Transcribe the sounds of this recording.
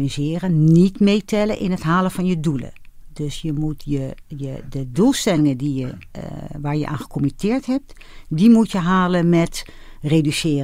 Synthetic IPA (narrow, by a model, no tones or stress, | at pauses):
izɪːərənnitmeːtʰɛləʔɪnətɦaːləfɔnjədulə̰døsjəmutjəjədədulˠstɛlɪŋədijə | ʋaːɹjə̰ʔa̰ːnxə̥kʰomitʰɪːɹthɛp̚t | dimutjəɦaːləmɛtredysɪːr